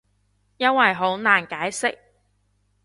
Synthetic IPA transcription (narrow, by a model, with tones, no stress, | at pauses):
jɐ˥nwɐ˨jɦo˨˥wnaː˨˩nkaː˨˥jsɪ˥k̚